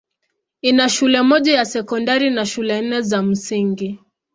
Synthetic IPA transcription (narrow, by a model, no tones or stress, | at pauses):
inaʃulɛmɔʄajasɛkɔndaɾinaʃulɛn̩nɛzam̩siŋɡi